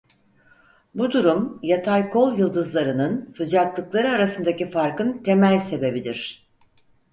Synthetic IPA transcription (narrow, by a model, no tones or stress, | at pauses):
bud̪uɾumjat̪ʰajkʰo̞lˠjɯlˠd̪ɯzlˠaɾɯnɯnsɯd͡ʒat̪lˠɯklˠaɾɯaɾasɯnd̪acifaɾkɯnt̪ʰe̞mælʲse̞be̞bid̪iɾ̥